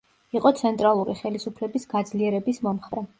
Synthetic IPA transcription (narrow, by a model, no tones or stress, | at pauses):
iqʼɔt̪sʰɛnt̪ʼɾalˠuɾiχɛlisupʰlɛbisɡ̥ad̪zliɛɾɛbismɔmχvɾɛ